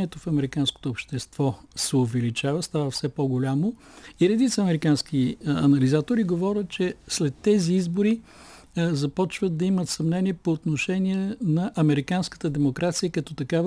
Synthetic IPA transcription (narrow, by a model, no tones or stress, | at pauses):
iɛt̪ofɐmɛɾikansko̥t̪oːpʃt̪ɛst̪v̥ɔsɛovɛlit͡ʃavəst̪avəfsɛpoɡolʲamo | iɾɛd̪it̪səːmɛɾikansk̟iɐnɐlizat̪oɾiɡovɔɾʲət̪̚t͡ʃɛslɛt̪ːɛziizboɾi | zɐpɔt͡ʃvəd̪̚d̪ɐimət̪sɐmnɛniɛpoːt̪noʃɛniɛnɐʔɐmɛɾikanskə̥t̪əd̪ɛmokɾat̪sijəkɐt̪ɔt̪ɐkav